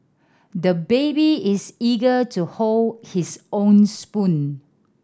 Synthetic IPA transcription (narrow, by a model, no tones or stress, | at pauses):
dəbebiɪsiɡətuholdhisõnspũn